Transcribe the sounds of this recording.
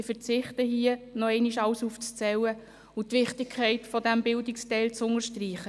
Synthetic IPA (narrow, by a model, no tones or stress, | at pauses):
ɪfəɾt͡sɪχtəɦiənɔɛɪniʃɑwsuːft͡st͡sɛwə | ʊtʋɪχtɪkkʰːɛɪtfɔdæmbɪldɪkstɛɪlt͡sʊŋəʃtriːχə